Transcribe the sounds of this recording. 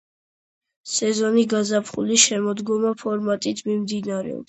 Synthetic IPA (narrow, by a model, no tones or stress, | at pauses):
sɛzɔniɡazapʰχulisʃɛmɔd̪ɡɔmapʰɔɾmat̪ʼit̪ʰmimd̪inaɾɛ̰ɔ̰b